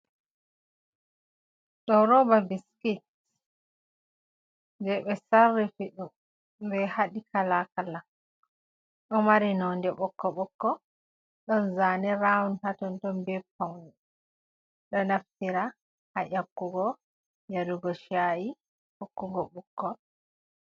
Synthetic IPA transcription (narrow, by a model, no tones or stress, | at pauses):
ɗɔɾɔbabiskit̚ | ndɛɓɛsarːifiɗum | bɛhaɗikʰalakala | ɗɔmaɾinɔndɛɓɔkːɔɓɔkːɔ | ɗɔnzanɛɾawnhatɔntɔnbɛpawni | ɗɔnaftiɾa | haʔakːuɡɔ | jaɾuɡɔʃaji | hokːuɡɔɓukːɔ